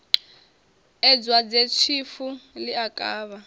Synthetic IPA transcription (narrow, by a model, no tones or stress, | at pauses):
ɛd͡zwad͡zet͡ʃʰifuliakʼaːβa